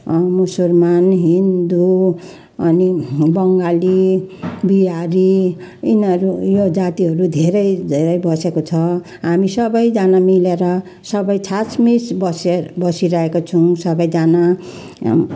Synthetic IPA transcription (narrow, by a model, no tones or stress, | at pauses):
musulmanɦind̪u | ʌnibʌŋɡali | biaɾiinʌɾujod͡zat̪iɦʌɾud̪ʱeɾʌjd̪ʱeɾʌjbʌsekot͡sʰʌ | ɦamisʌbʌjd͡zanamileɾʌ | sʌbʌjt͡sʰat͡smisbʌsebʌsiɾʌɦekot͡sʰuw̃sʌbʌjd͡zana